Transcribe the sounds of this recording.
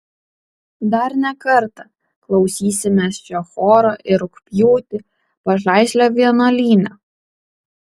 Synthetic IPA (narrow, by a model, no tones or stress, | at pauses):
d̪ɐɾnʲɛkɐɾt̪ɐ | klˠɒʊsʲiːsʲɪmʲest͡ʃʲoːxoːɾoːʔɪɾʊkpʲjuːt̪ʲɪ | pɐʒɑˑɪsʲlʲoːʋʲiɛnolʲiːnʲoː